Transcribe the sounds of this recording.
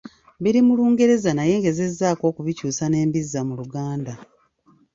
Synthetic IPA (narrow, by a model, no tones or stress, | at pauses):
βiɾimuluːŋɡe̞ɾe̞zanaje̞ːŋɡe̞ze̞zːaːko̞ːkuβicuːsane̞ːmbizːamuluɡaːnda